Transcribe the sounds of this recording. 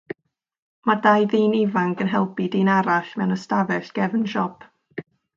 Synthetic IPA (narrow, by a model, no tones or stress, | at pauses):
madajðiːnivaŋɡənɦɛlˠpidiːnaɾaɬmɛwnəstavɛɬɡ̥ɛvənʃɔpʰ